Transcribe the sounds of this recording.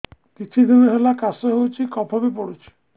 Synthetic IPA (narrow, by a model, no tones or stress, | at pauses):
kit̪ʰid̪ʱiɾeɦelakasɔɦewt͡ʃʰikɔbʱɔbipɔɽut͡ʃʰi̥